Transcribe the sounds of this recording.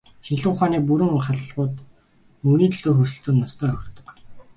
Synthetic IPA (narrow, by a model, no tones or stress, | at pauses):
xiɮʊ̆ːχaːniːpuɾɘ̆ŋχaɮʁʊːt̪ | mɵniːt̪ʰɵɮoːxɵrʃɵ̆ɬt̪ɵ̆nːɔst̪ʰœːɵx̆ʲrt̪ɵ̆k